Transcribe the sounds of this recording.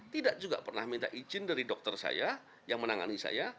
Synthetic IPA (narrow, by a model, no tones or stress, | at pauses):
t̪idaʔd͡ʒuɡaʔpərna̰hmint̪aʔid͡ʒɪndaɾidɔk̚t̪ərsa̰ja | jaŋmənaŋa̰nisa̰ja